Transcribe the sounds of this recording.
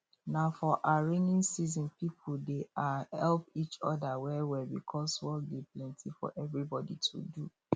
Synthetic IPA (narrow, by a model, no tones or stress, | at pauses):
nafɔʔaɹinĩnsizɔ̃npipʰldeahɛlpit͡ʃɔ̰dawɛwɛbikʰɔswɔk̚deplɛ̃ntʰifɔ̰ʔɛvɹibɔditʰṵdu